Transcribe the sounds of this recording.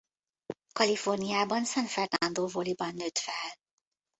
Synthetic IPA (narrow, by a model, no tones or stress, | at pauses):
kɒlifo̞rnijaːbɒnsɛnfɛrnɒnd̪oːvolibɒnːøːt̪fɛl